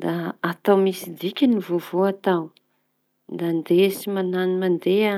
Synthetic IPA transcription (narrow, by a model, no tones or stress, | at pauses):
d̪aːt̪awmisid̪ikʲanivovoat̪aw | nd̪and̪esimananimand̪ea